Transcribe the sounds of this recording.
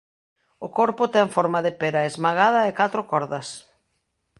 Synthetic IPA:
ʊkɔɾpʊt̪ɛɱfɔɾmaðɪpeɾɐezmaɣ̞að̞ɐekat̪ɾʊkɔɾðɐs

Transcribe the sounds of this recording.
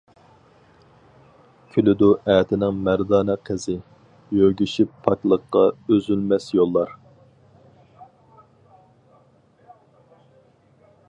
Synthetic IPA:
kʲʰylyd̪uʔɛːt̪ʰɪnɪŋmæɾd̪ɑːnɛqʰɪzɪ | jøɡʲyʃipʰːɑkʲlˠəqːɑøzylmɛsjolˠːɑɾ

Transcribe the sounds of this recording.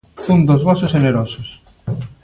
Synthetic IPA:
und̪ozβɔsozʝeneɾosos

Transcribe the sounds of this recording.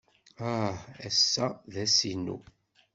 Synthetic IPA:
aæsːæðæsinːṵ

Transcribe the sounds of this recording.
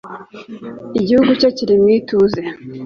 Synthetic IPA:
iɟihuɡucociɾimwituze

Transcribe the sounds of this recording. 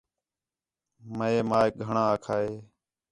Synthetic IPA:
məeːmaːek̚ɡʱəɳãːkʰaːeː

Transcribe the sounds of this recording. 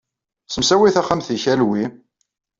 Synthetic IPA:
səmsæwiθæχamθiçælwi

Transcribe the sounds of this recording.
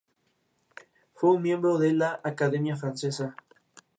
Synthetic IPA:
fweunmje̞mbɾoðelaʔːkaðemjafɾansesa

